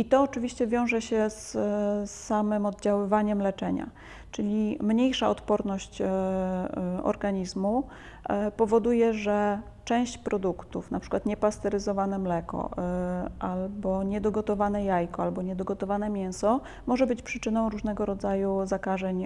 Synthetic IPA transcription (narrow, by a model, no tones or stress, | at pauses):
it̪ɔːt͡ʂɘvʲiɕt͡ɕɛvʲjɔ̃w̃ʐɛɕɛssːamɘmɔd̪̚d͡ʑawɘvaɲɛmlɛt͡ʂɛɲa̰ | t͡ʂɘlʲimɲejʂaɔt̪pɔɾnɔɕt͡ɕ | ɔ̰ɾɡaɲizmu | pɔvɔd̪ujɛʐɛ | t͡ʂɛ̃w̃ɕt͡ɕpɾɔd̪ukt̪ufnapʂɘ̥kwat̪ɲɛpast̪ɛɾɘzɔvanɛmlɛkɔ̰ | ʔalbɔɲɛd̪ɔɡɔt̪ɔvanɛjajkɔalbɔɲɛd̪ɔɡɔt̪ɔvanɛmʲjɛw̃sɔ | mɔʐɛbɘt͡ɕpʂɘt͡ʂɘnɔ̃w̃ɾuʐnɛɡɔɾɔd̪zajuzakaʐɛɲ